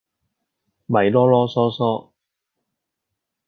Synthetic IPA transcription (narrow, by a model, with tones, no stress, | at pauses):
mɐ˨jlɔː˥lɔː˥sɔː˥sɔː˥